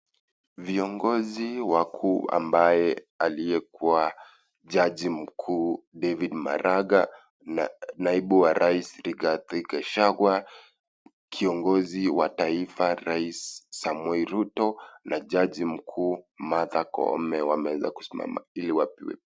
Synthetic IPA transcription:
viɔŋɡɔziwakʰuːa̰mbajɛ | alijɛkua | ʄaʄim̩kʰuːdɛvidma̰ɾaɡa | naiɓuwaɾʔaisɾiɡatikɛʃaɡwa | kʰiɔŋɡɔziwataifaɾaisːamwɛiɾutɔnʔaʄaʄim̩kʰuːmaðakɔ̰mɛwamɛwɛza̰ku̥sima̰ma̰iliwapiwɛ̰

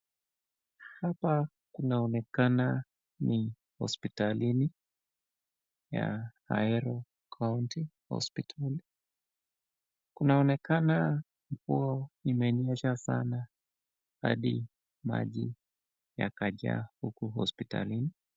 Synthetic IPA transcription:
hapa | kunaɔnɛkana | ni | hɔ̰spitalini | ja̰ha̰ɛɾɔ | kʰauntihɔ̰spitʰali | kunaɔnɛkana | m̩kuɔimɛniɛʃasana | ha̰ɗi | ma̰ʄi | ja̰kaʄa̰hukuhɔ̰spita̰lini

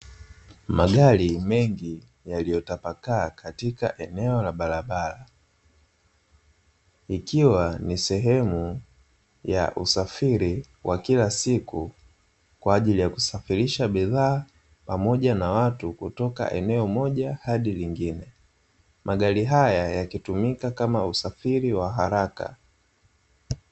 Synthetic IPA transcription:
maɡalimɛŋɡi | jalijɔtapakaːkʰatika̰ʔɛnɛɔlaɓaɾaɓala | ikiwanisɛɦɛmu | ja̰ʔusafiɾi | wʔakilasiku | kwaːʄilijaku̥safiɾiʃaɓiðaː | pamɔɟanawatukutɔka̰ʔɛ̰nɛɔmɔʄahaɗiliŋɡinɛ | mʔaɠaliɦajajakitumikakamausafiɾiwaɦaɾaka̰

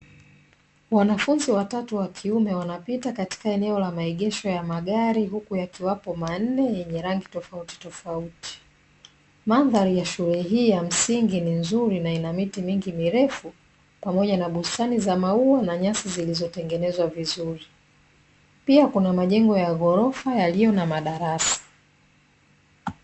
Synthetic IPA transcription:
wanafunziwatatuwakʰiumɛwanapitakati̥kaɛnɛɔlamaiɠɛʃɔjamaɠaɾiɦukujakiwapɔman̩nɛjɛɲɛɾaŋɡitɔfauti̥tɔfauti̥ | maðaɾijaʃulɛɦiːjam̩siŋɡininzuɾinainamitimiŋɡimiɾɛfu | pamɔʄanaɓustanizamauanaɲasizilizɔtɛŋɡɛnɛzwavizuɾi | piakunamaʄɛŋɡɔjaɣɔɾɔfajalijɔnamaɗaɾasḁ

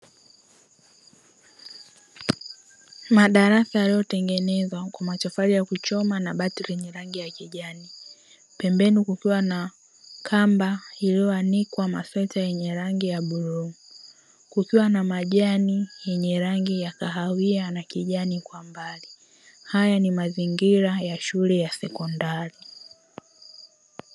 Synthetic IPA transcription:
maɗaɾasajalijɔtɛŋɡɛnɛzwakwamat͡ʃɔfaɾijakut͡ʃɔmanaɓatiɾɛɲɛɾaŋɡijakiʄani | pɛmbɛnikukiwana | kʰambailiɔanikwamafɛtajɛɲɛɾaŋɡijaɓuɾu | kukiwanamaʄanijɛɲɛɾaŋɡijakaɦawianakiʄanikwambali | hajanimaziŋɡiɾajaʃulɛjasɛkɔndaɾi

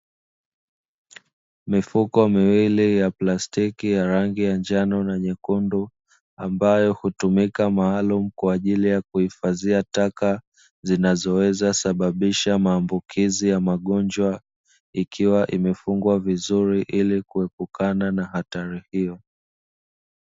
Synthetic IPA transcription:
mifukɔmiwilijaplastikijaɾaŋɡijand͡ʒanɔnaɲɛkundu | ambajɔhutumikamaːlum̩kwaːʄilijakuhifaziataka | zinazɔwɛzasaɓaɓiʃamaːmbukʰizijamaɠɔnd͡ʒwa | ikʰiwaʔimɛfuŋɡwavizuɾiʔilikuwɛpukananahataɾihijɔ

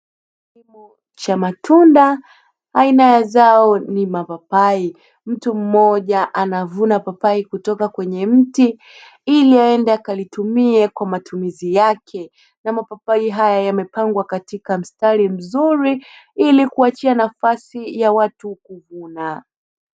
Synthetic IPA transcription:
k | imu | t͡ʃamatʰunda | ainajazaɔnimapapai | m̩tum̩mɔʄaʔanavunapapaikutɔkakwɛɲɛm̩ti | iliaɛndaakalitumiɛkwamatumizijakʰɛ | namapapaiɦajajamɛpaŋɡwakatikam̩staɾim̩zuɾiilikuat͡ʃianafasijawatukuvuna

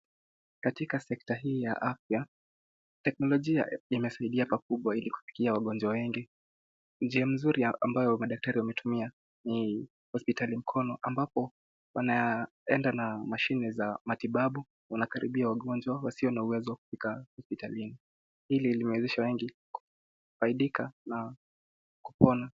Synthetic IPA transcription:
katikasɛk̚taɦiːja̰ʔafja | tɛk̚nɔlɔʄia̰imɛsaiɗiapak̚uɓwailiku̥pi̥kiawaɠɔnd͡ʒwawɛŋɡi | d͡ʒiam̩zuɾia̰mbajɔmaɗak̚taɾiwamɛtumia | ni | hɔspitalim̩kʰɔnɔʔambapɔ | wana | ɛndanamaʃinɛzamatiɓaɓu | wanakaɾḭɓiawaɠɔnd͡ʒwawasiɔnauwɛzɔwaku̥pikahɔspitalini | hililimɛwɛzɛʃawɛŋɡi | ku̥ | faiɗikʰana | kupɔna

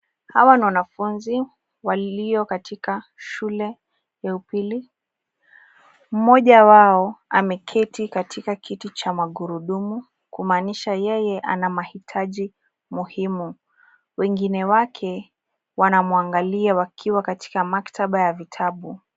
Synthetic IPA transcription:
hawaniwanafunzi | wallijɔkatʰika | ʃulɛ | jaupili | m̩mɔʄawaɔamɛkʰɛtikatʰikakʰitit͡ʃamaɠuɾuɗumu | kumaːniʃajɛjɛʔa̰namahitʰaʄi | muhimu | wɛŋɡinɛwakʰɛ | wanamuaŋɡaliawakʰiwakati̥kamaktʰaɓajavitʰaɓu

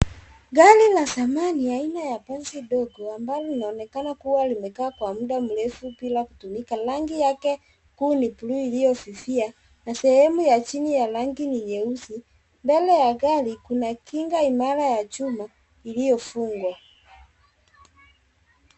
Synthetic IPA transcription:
ɡalilasamaniainajapanziɗɔɡɔambalɔlinaɔnɛkanakuwalimɛkaːkwamuɗam̩lɛfupilakutumikalaŋɡijakɛ | kuːnipuluilijɔsifia | nasɛhɛmujat͡ʃinijalaŋɡinijɛusi | mbɛlɛjaɡalikunakiŋɡaimaɾajat͡ʃuma | ilijɔfuŋɡwa

